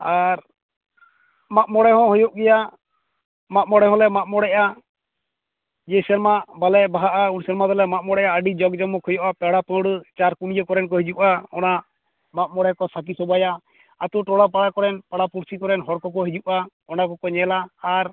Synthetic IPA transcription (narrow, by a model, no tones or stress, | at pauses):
aɾ | maʔ̚mɔɽɛɦɔ̃ɦɔjɔʔɡɛja | maʔ̚mɔɽɛɦɔ̃lɛmaʔ̚mɔɽɛʔa | d͡ʒɛsɛɾmabalɛbaɦaʔaunsɛɾmad̪ɔlɛmaʔ̚mɔɽɛʔaəɖid͡ʒɔɡd͡ʒɔmɔkʰɔjɔʔapɛɽapə̃ɽt͡ʃaɾkumijəkɔɾɛnkɔɦid͡ʒuʔaɔ̰na | maʔ̚mɔɽɛkɔsak̬isɔbajaː | t̪uʈɔɽap̬aɽakɔɾɛnpaɽapuɾsikɔɾɛnɦɔɽkɔk̬ɔɦid͡ʒuʔa | ɔnakɔkɔɲɛlaːɾ